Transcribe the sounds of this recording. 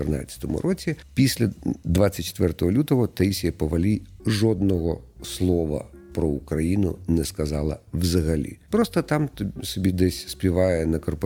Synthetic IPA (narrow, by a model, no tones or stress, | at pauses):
t̪ernɑ̰t͡sʲːɐ̥t̪ɔmʊ̰ɾʔɔt͡sʲipʲisʲlʲɐd̪ʋɑt͡sʲːɐt̚ʲt͡ʃːe̥t̪ʋɛrt̪ɔɦɔlʲut̪ɔɦɔt̪ɛisʲijɐpɔʋɐlʲijʒɔd̪nɔɦɔslˠɔʋɐ̰pɾɔʊkɾɐjinʊ̰nɛskɐzɑlˠɐ̰wzɐɦɐlʲḭpɾɔst̪ɐt̪ɑmsʲɔbʲid̪ɛsʲsʲpʲiʋɑjɛnɐkɔrpɔ